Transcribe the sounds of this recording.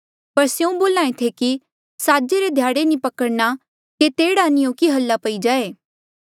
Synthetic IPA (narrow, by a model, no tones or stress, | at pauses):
pɐɾsjeũboːlãːẽt̪ʰeki | saːd͡ʒeɾed̪ʱjaːɽenĩpɐkəɽna | ket̪eːɽanijõːkiɦɐlːapɐid͡ʒaːeː